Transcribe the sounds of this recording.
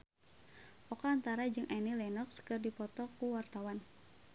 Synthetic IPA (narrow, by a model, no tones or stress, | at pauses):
ʔɔkaːnt̪aɾad͡ʒɨŋʔanilɛnɔkskɨrdipɔt̪ɔkuwart̪awan